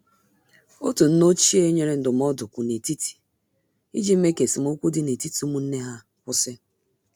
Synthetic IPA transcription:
o˦tu˨n̩˦no˦t͡ʃi˦e˦ɲe˨ɾe˦n̩˦dʊ˨m˦ɔ˦dʊ˨kʷʊ˨ne˨ti˦ti̥˨ | i˦d͡ʒi˦m̩˦me˦ke˨si˨m̩˦o˦kʷu˦dɪ˦ne˨ti˦ti˨o˦mu˦n̩˦ne˦ɦa˦ | kʷʊ˦sɪ˦

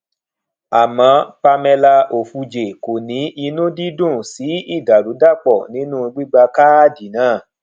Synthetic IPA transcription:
a˨mã˨˧˦pa˧mɛ˧la˧o˨fu˧d͡ʒe˨ko˨nĩ˨˦i˧nũ˦di˦dũ˦˨si˨˦i˦˨da˨ɾu˨˦da˦˨k͡pɔ˦˨nĩ˨˦nũ˦˧ɡ͡bi˦ɡ͡ba˧ka˦a˦˨di˨nãː˦˨

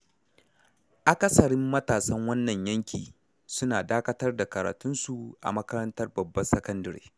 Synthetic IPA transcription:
ʔa˨kɐ˦sɐ˨ɽɪ˦mːɐ˦taː˨sɐ˦ŋwɐ˦nːɐ˨ɲjɐ˦ŋkʲʰḭː˨ | sʊ˦naː˨daː˦kɐ˦tɐ˦rda˨kɐ˨ɾa̰ː˨tʊ˦nsu˨ʔa̰˨mɐ˦kɐ˦ɾɐ˦ntɐ˦rbɐ˨bːɐ˦sɐ˦kɐ˦ndɐ˨ɾḛː˦

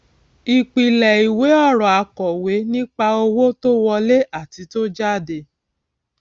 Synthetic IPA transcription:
i˧k͡pi˨lɛ˨i˨we˨˦ɔ˦˨ɾɔ˨a˨˧kɔ˨we˨˦nĩ˦k͡pa˧o˧wo˦to˦wɔ˧le˦ʔa˦˨ti˧˦to˦d͡ʒa˦˨de˧

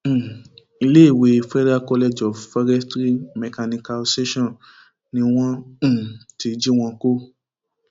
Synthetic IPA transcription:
i˧le˦i˦˨we˨˦˧fɛ˦ɾa˦kɔ˧lɛ˧d͡ʒɔ˨fɔ˧ɾɛ˦stɾi˦mɛ˨ka˧nĩ˧ka˧o˧se˦ʃɔ̃˦˨n | nĩ˧˦w̃ɔ̃˦˨ | ti˧d͡ʒi˦w̃ɔ̃˧ko˦

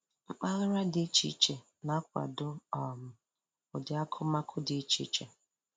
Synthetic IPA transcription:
ŋ͡m̩˦k͡pa˦ɣɪ˦ɾa˦dɪ˦t͡ʃḭ˨t͡ʃe˨ | na˦k̚ʷa̰˨dʊ˦ɔ˨mʊ˨ | ʊ˨dɪ˨a˦kʰʊ˦ma˦kʰʊ˦dɪ˨˦t͡ʃḭ˨˦t͡ʃe˨

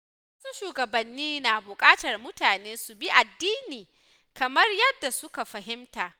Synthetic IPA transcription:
waː˦su˦ʃuː˨ɡɐ˨bɐ˨nːiː˦naː˨bʊ˨kʼaː˦tɐ˨rmʊ˦taː˨neː˦su˨bi˦ʔa˨dːiː˦niː˨ | kɐ˨mɐ˦rjɐ˦dːa˨sʊ˦ka˨ɸɐ˨ɦɪ˦mtaː˨ʔ

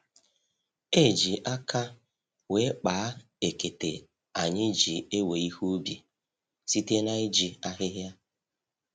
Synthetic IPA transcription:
e˦˨d͡ʒi˨ʔa˦kʰa˦ | we˨˦k͡paː˨˦ | e˨ke˨tḛ˨ | a˨ɲɪ˦d͡ʒi˨e˦we˨i˦hu˦bḭ˨ | si˦te˦na˦ɪ˦d͡ʒi˨a˦ɦɪ˦ɦja˦

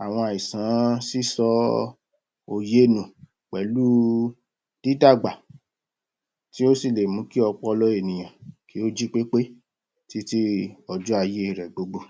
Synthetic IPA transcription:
a˨w̃ɔ̃˧a˨i˨sã˨˦si˦˨sɔ˧˦ | o˧je˦nũ˨ | k͡pɛ˨˦lu˦ | d̥i˦da˦˨ɡ͡ba˨ | ti˦o˦si˦˨le˨mũ˨˦ki˦ɔ˧k͡pɔ˦ɔ˧lɔ˦e˦˨nĩ˨j̃ã˨ki˨˦o˦d͡ʒi˦k͡pe˦k͡pe˦ | ti˦ti˦ɔ˧d͡ʒu˦a˧je˦˨ɾɛ˨ɡ͡bo˨˧ɡ͡bo˦

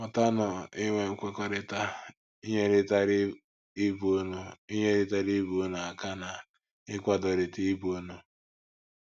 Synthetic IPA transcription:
mɔ˨ta˦nɔ˨ɪ˦ŋʷe˨ŋ̩˦kʷe˦kɔ˦ɾɪ˦ta˦ | i˦ɲe˦ɾɪ˦ta˦ɾ | i˦bu˨o˦no˦i˦ɲe˦ɾɪ˦ta˦ɾi˦bu˨o˦na˨a˨ka˦na˨ | ɪ˦kʷa˦dɔ˨ɾɪ˨ti˦i˦bu˨o˦no˨

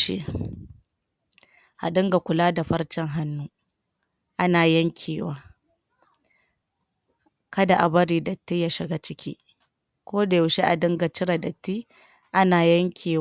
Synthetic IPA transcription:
ʃḭ˦ | ʔa̰˨ɗɪ˦ŋɡa˨kʷʊ˨laː˦da˨ɸɐ˦ɽt͡ʃɛ˦ŋɦa˦nːuː˦ | ʔa˦naː˨jɐ˦ŋkʲʰiː˨waː˦ | kɐ˦da˨ʔa˨bɐ˦ɾiː˨dɐ˨tːi˦jaː˦ʃɪ˨ɡa˦t͡ʃɪ˦kʲʰḭː˦ | kʷoː˦da˨jʊ˨ʃi˦ʔa˨dɪ˦ŋɡa˨t͡ʃɪ˦ɾa˨dɐ˨tːiː˦ | ʔa˦naː˨jɐ˦ŋkʲʰiː˨

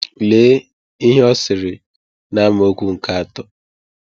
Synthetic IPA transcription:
le˨˦ | i˦ɦe˦ɔ˦sɪ˨ɾɪ˨ | na˦m˦o˦kʷu˦ŋ̩˨ka˦a˨tɔ˦

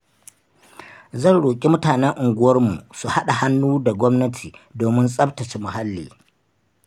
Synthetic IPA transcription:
zɐ˦˨nɽoː˨kʲʼi˦mʊ˦taː˨nɛ˦ŋʔʊ˨ŋɡʷʊ˦wɐ˦rmṵ˨su˨ha˦ɗa˨ha˦nːuː˦da˨ɡʷɔ˦mnɐ˦tʰiː˨doː˨mɪ˦nsʼɐ˦btɐ˨t͡ʃe˨mʊ˨ha˦lːḭː˨

